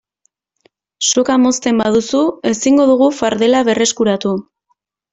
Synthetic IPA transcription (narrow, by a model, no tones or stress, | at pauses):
so̞kamo̞st̪e̞mbað̞usue̞siŋɡo̞ðuɣ̞ufaɾðe̞laβe̞re̞skuɾat̪u